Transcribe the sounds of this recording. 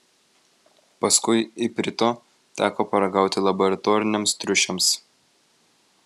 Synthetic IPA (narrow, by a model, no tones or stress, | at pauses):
pɐskʊɪɪpʲɾʲɪt̪oː | t̪ʲæːkoːpɐɾɐɡɑˑʊt̪ʲɪlˠɐbɔɾɐt̪ɔːɾʲɪnʲɛmst̪ʲɾʲʊʃʲɛms